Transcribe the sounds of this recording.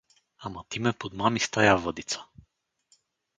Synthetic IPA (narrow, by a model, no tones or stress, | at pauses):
amat̪imɛpod̪mamist̪ajavɤd̪it̪sḁ